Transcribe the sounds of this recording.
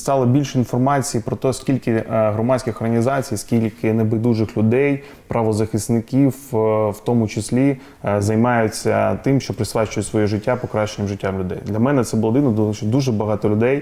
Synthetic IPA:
st̪ɑlˠɔbʲilʲʃinfɔrmɑt͡sʲijipɾɔt̪ɛsʲkʲilʲkɪɦɾɔmɑt͡sʲkʲɪxɔrɦɐnʲizɑt͡sʲijsʲkʲilʲkɪnɛbɪd̪uʒɪxlʲʊd̪ɛj | pɾɐʋɔzɐxɪsnɪkʲiwwt̪ɔmʊt͡ʃɪsʲlʲi | zɐjmɑjʊt͡sʲɐ̰t̪ɪmʃt͡ʃɔpɾɪsʋɑt͡ʃʊjʊtʲsʋɔjiʒɪtʲːapɔkɾɑʃt͡ʃːenʲɐmʐɪtʲːamlʲʊd̪ɛ̰jd̪lʲɐmɛnɛt̪sɛbʊlˠɔd̪ɪnɔd̪ˠt͡ʃd̪uʒɛbɐɦɑt̪ɔlʲʊd̪ɛj

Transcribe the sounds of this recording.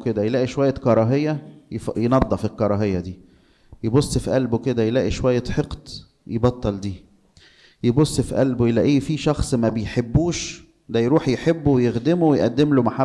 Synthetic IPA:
ked̪æjelæːʔiʃowæjːækɑɾˤɑɦejːæjefjenɑd̪ˤːɑfilkɑɾˤɑːɦejːɑd̪iː | jebosˤːfiʔælbowked̪æjelæːʔiʃowæjːæħeqt̪ | jebɑt̪ˤːɑld̪iː | jebosˤːfiʔælbjelæʔiːfiʃɑxsˤmæbejħebːuːʃ | d̪æjɾuːħjeħebːowejexd̪emowejʔæd̪ːemlomaħa

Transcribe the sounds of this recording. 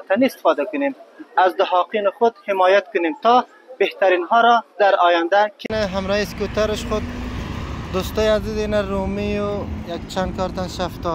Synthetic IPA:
t̪ʰanist̪i̥fɔd̪akunemazd̪ʊɦɑːqinχud̪hemɔjat̪̚kunemt̪ʰɔ | beht̪aɾinɦɔɾɔd̪aɾɔːjand̪akʰinaɦamɾɔhiskut̪aɾɨʃχud̪̚ | d̪ust̪ɔjazizinaɾumijujakt͡ʃʰand̪̚kʰɑɾt̪anʃaft̪ɔ

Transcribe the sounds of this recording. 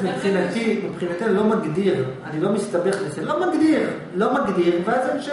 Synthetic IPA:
mipχinat̪imipχinat̪ilo̞maɡd̪iʁanilo̞mist̪abeχleseomaɡd̪iʁ | lo̞maɡdiʁveaze

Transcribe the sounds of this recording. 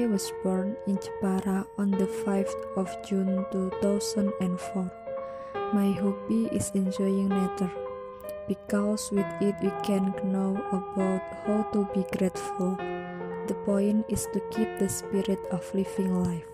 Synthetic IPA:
ajwɔsbɔɹnĩnt͡ʃəpaɾaɔ̃nd̪əfajft̪ɔfd͡ʒũnt̪ut̪awsə̃nɛ̃nfɔ | majɦopiʔɪ̰sɛ̃nd͡ʒɔjɪ̃ŋmɛt̪əɹ | b̥ikɔswɪθɪt̪̚wikʰɛ̃nɡnowʔəbawt̪̚hawt̪ubiɡɾetful | d̪əpɔ̃jnɪst̪ukip̚d̪əspiɾɪt̪ɔflifɪ̃ŋlajf

